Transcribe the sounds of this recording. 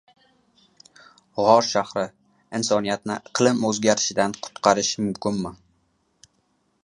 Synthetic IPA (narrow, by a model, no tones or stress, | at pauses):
ʁɒɾʃahɾɪ | ɪnsɒnijat̪nɪqʰɨlˠɪmɵzɡʲaɾɪʃɪd̪anqʰʊ̥t̪qʰɑɾɪʃmʊmkʲɪnmɪ